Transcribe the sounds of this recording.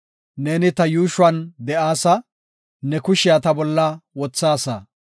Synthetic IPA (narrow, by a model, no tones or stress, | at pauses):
neːnɪt̪ɐjuːʃʊwɐnd̪ɛʔaːsɐ | nɛkʊʃɪjat̪ɐbɔlːɐwɔt͡sːaːsɐ̰